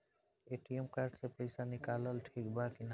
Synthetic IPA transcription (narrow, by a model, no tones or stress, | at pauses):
eʈiomkaɾɖsepəjsanikaləlʈʰikbakin